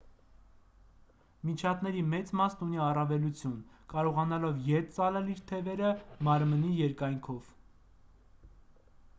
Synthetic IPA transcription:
mit͡ʃʰɑt̪nɛɾimɛt͡smɑsnuniɑrɑvɛlut͡sʰjunkɑɾɔʁɑnɑlɔvjɛt̪t͡sɑlɛliɾt̪ʰɛvɛɾəmɑɾmənijɛɾkɑjŋkʰɔv

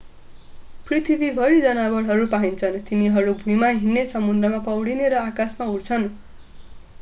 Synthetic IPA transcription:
prit̪ʰibibʱʌɾid͡zʌnabʌɽɦʌɾupaɦint͡sʰʌnt̪iniɦʌɾubʱujmaɦinːesʌmund̪rʌmapʌwɽineɾʌakasmauɽt͡sʰʌn

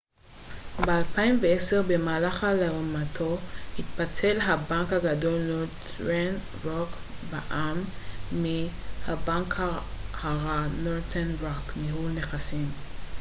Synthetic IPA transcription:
bealpaimveeseʁbemaːlaχaleomatʰohit̪̚pat͡selɦabaŋkhaɡado̞lnod | ʁen | ʁokbaʔamːihabaŋkhahaʁanoʁtʰenʁokmihuneχasim

